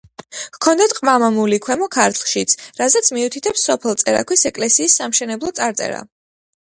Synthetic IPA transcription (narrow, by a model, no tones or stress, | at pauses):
vkʰɔnd̪at̪̚qʼmamamulikʰwɛmɔkʰaɾt̪ʰlˠʃit̪sʰɾazɛt̪sʰmiut̪ʰit̪ʰɛpsːɔpʰɛlˠt̪sʼɛɾa̰kʰwisɛkʼlɛsiːsːamʃɛnɛblˠɔt̪sʼaɾt̪sʼɛ̰ɾa̰